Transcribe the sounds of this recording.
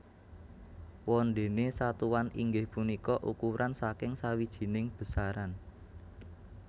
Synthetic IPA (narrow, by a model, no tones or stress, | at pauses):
wɔnɖ̪e̤nesat̪uwaniŋɡɪhpunikɔʔukuɾansakɪŋsawid̥ʒ̥i̤nɪŋb̥ə̤saɾan